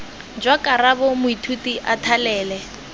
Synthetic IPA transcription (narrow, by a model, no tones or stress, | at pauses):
d͡ʒwakʼarabɔmʊitʰutiʔatʰalɛːlɛ